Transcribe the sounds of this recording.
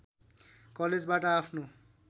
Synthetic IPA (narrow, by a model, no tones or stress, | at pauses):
kɔled͡zbaʈaapʰno